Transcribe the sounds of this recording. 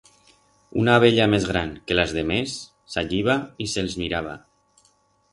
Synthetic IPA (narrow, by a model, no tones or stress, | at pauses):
ṵnaβ̞eʎamezɣɾaŋkelazðemesː | aʎiβ̞aiselzmiɾaβ̞a̰